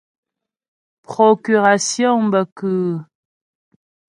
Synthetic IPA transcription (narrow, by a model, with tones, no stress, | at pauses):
pχɔ˨ky˨ʁa˨sjɔ̃˦bə˨kəː˨